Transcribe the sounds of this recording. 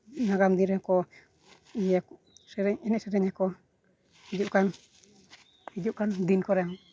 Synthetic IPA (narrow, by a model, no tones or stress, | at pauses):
naɡamd̪inɾɛkɔ | iak | sɛɾɛɲɛnɛʔsɛɾɛɲakɔ | id͡ʒuʔkan | hid͡ʒuʔkand̪inkɔɾɛaŋ